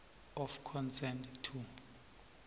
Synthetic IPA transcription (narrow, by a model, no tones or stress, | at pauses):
ɔfkʰɔnsɛndtʰu